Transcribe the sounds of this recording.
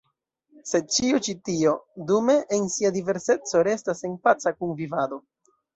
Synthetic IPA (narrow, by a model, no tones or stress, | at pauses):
se̞t͡ʃiot͡ʃitio̞dume̞ʔːnsiadive̞ɾse̞t͡so̞ɾe̞stase̞npat͡sakunvivado̞